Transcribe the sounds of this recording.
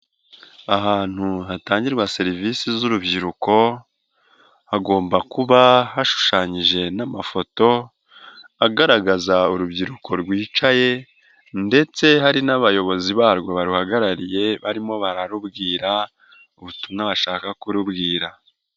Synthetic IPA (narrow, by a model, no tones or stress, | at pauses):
aɦaːn̥huɦataːɲɟiɾɡwase̞ɾiviːsizuɾubɟiɾuko̞ | haɡo̞ːmbakuβahaʃu̥ʃaːɲiʒe̞namafo̞to̞ | aɡaɾaɡazauɾubɟiɾukʰo̞ɾɡwiːt͡ʃaje̞ | nde̞t͡se̞haɾinaβajo̞βo̞ziβaːɾɡo̞βaɾuhaɡaɾaɾije̞βaɾimo̞βaɾaɾubɡiːɾa | uβutuŋaβaʃaːkakuɾubɡiːɾa